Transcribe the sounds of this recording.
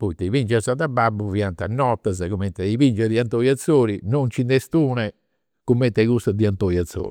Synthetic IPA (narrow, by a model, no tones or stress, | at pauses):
pɔit̪ɛivind͡ʒɛɾsad̪abːabːuviant̪anːɔt̪ːazakumɛnt̪ɛivind͡ʒɛd̪iant̪oːjat̪sːoːɾinɔnt͡ʃind̪ɛst̪uːnɛ | kumːɛnt̪ɛkust̪ad̪iant̪ojat̪sːo̰ːɾi